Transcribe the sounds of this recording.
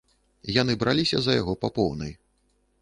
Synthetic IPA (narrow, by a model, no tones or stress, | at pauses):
janɨbɾʔalʲisʲɐ̰zɐjaɣɔpapɔwnɐ̰j